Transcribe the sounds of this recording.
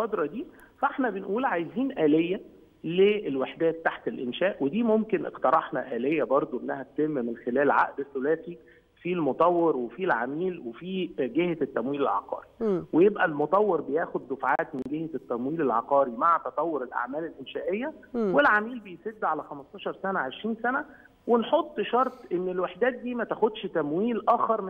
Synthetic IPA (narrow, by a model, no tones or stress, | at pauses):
qɑd̪ɾˤɑd̪iːfæʔeħnæbenʔuːlʕajziːnʔæːlejːæ | leːlweħd̪æːt̪ːaħt̪elʔenʃæːʔwed̪iːmomkenʔḛqt̪ɑɾˤɑħnɑʔæːlejːæbɑɾˤd̪ˤoʔenːæhæt̪t̪emːimenxelæːlʕa̰ʔd̪esːolæːt̪i | filmot̪ˤɑwːeɾwefilʕamiːlwefiːɡeht̪ːæmwiːlelʕɑ̰qɑ̰ːɾiwejebʔælmot̪ˤɑwːeɾbejæːxod̪ːofʕaːt̪menɡeht̪ːæmwiːlelʕɑ̰qɑːɾimaʕt̪ɑt̪ˤɑwːoɾelʔa̰ʕmæːlelʔenʃæːʔejːæwelʕamiːlbejsed̪ːʕalæxæmɑst̪ˤɑːʃɑɾˤsænæʕeʃɾiːnsænæ | wenħot̪ˤːʃɑɾˤt̪ˤʔenːelweħd̪æːt̪̚d̪iːmæt̪æxod̪ʃt̪æmwiːlʔæːxɑɾˤm